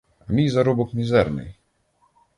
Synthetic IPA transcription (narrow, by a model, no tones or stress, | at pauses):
ɐmʲijzɐɾubʊkmʲizɛrnɪ̰j